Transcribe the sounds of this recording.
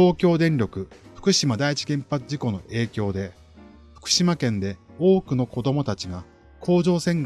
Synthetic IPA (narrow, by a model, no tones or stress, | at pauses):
o̞ːkʲo̞ːd̪ẽ̞ɲɾʲo̞kɯ̟ɸɯ̥kɯ̟ɕimad̪ait͡ɕi̥ɡẽ̞mpat͡sɨʑiko̞no̞ʔe̞ːkʲo̞ːd̪e̞ | ɸɯ̥kɯ̟̥ɕimakẽ̞nd̪e̞o̞ːkɯ̟no̞ko̞d̪o̞mo̞t̪at͡ɕiɡa | kʰo̞ːʑo̞ːsẽ̞ŋɡ